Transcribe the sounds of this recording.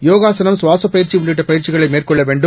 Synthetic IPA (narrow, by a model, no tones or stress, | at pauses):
joːɣaːsɐnɐmsʋaːsɐpːɐjɪɾt͡ʃiʊɳːɪʈ̬ːɐpɐjɪɾt͡ʃɪɣɐɭɐɪmeːrkɔɭːɐʋeːɳɖɯm